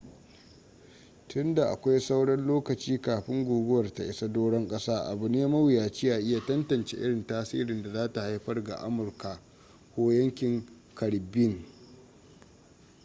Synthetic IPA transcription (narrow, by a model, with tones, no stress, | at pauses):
tʊ˦nda˨ʔa̰˨kʷa˦jsa˦wɽɐ˦nloː˦kɐ˨t͡ʃiː˦kaː˨ɸɪ˦ŋɡʷuː˨ɡʊ˦wɐ˨rta̰˨ʔɪ˦sa˦doː˦ɽɔ˦ŋkʼɐ˦saː˦ʔa̰˨bʊ˨neː˦mɐ˦wjaː˨t͡ʃi˦ja˨ʔɪ˦ja˨tɐ˦ntɐ˨nt͡ʃḛ˦ʔɪ˦ɽɪ˨ntaː˦sḭː˦ɾɪ˨nda˨zaː˦ta˨ha˦jɸɐ˦rɡa̰˨ʔa̰˦mʊ˨rka˨ | kʷoː˦jɐ˦ŋkʲɪ˨ŋ | kʰɐ˨ɽbɪ˦ŋ